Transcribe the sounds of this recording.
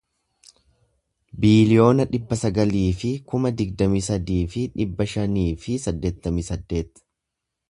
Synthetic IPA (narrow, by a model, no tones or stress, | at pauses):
biːlɪjo̞ːnɐᶑɪbːɐsɐɡɐliːfɪkʊmɐd̪ɪɡd̪ɐmiːsɐd̪iːfɪᶑɪbːɐʃɐniːfɪsɐd̪ːe̞ːt̪ːɐmiːsɐd̪ːe̞ːt̪